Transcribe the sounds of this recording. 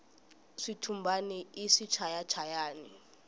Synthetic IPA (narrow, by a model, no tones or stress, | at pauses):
ʂitʰumbʱaniiʂit͡ʃʰajat͡ʃʰajaːni